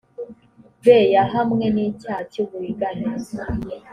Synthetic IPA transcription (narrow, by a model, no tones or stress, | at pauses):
veːjaɦamŋe̞nicaːcoβuiɡana